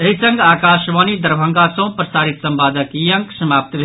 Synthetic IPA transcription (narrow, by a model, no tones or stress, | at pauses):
eɦisə̃ŋɡakaʃʋanid̪əɾbʱə̃ŋɡasə̃pɾəsaɾit̪səmbad̪əkijə̃ŋksəmap̚t̪bʱe